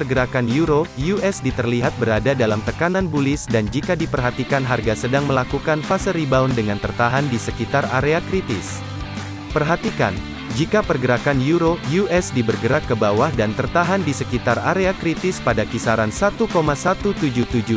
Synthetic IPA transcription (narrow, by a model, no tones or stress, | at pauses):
pərɡəɾakanjuɾojuɛsdit̪ərliɦat̪̚bəɾadadalamt̪əkananbulɪsdand͡ʒikadipərɦat̪ikanɦarɡasədaŋməlakukanfasəɾibaundəŋant̪ərt̪aɦandisəkit̪ara̰ɾeakɾit̪ɪs | pərɦat̪ika̰n | d͡ʒikapərɡəɾakanjuɾojuɛsdibərɡəɾakːəbawahdant̪ərt̪aɦandisəkit̪araɾeakɾit̪ɪspadakisaɾansat̪ukomasat̪ut̪ud͡ʒuht̪ud͡ʒu